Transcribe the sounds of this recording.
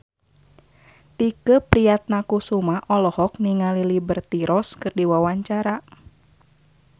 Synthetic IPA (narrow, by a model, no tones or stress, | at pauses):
t̪ikəpɾijat̪̚nakusumaʔɔlɔhɔk̚niŋalilibərt̪iɾʔɔskɨrdiwawaɲt͡ʃaɾa